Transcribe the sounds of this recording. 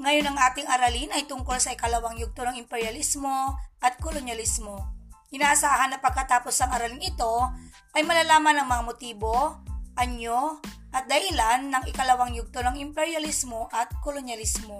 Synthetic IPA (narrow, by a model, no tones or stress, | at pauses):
ŋɐjonːɐŋʔaːt̪ɪŋʔɐɾalinɐjt̪ʊŋko̞lsɐʔɪkɐlɐwaŋjʊɡ̚t̪onɐŋɪmpɛɹjɐlismo̞ʔɐt̪̚kolonjɐlismo̞ʔɪnaːʔɐsaːɦɐnːɐpɐɡ̚kɐt̪aːposɐŋɐɾɐlinɪt̪o̞ | ʔɐjmɐlaːlaːmɐnɐŋmɐŋamot̪iːboʔɐɲːo | ʔɐt̪̚d̪ɐhɪlanːɐŋʔɪkɐlɐwaŋjʊɡ̚t̪onɐŋɪmpɛɹjɐlismoʔɐt̪̚kolonjɐlɪsmo